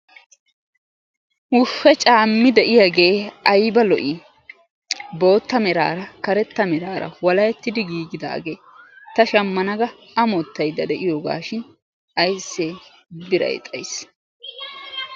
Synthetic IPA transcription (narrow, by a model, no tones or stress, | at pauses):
hʊʃːɛt͡ʃʼaːmːɪd̪ɛʔɪjaɡe̞ːɐjbɐlɔʔɪ | bo̞ːt̪ːɐmɛɾa̰ːɾɐkɐɾɛt̪ːɐmɛɾaːɾɐ̰wɐlɐjɛt̪ːɪd̪ɪɡiːɡɪd̪a̰ːɡeː | t̪ɐʃɐmːɐnɐɡɐ | ɐmɔt̪ːɐjd̪ːɐd̪ɛʔɪjoːɡa̰ːʃɪn | ʔɐjsːeː | bɪɾɐ̰j̰t̪ʼɐjs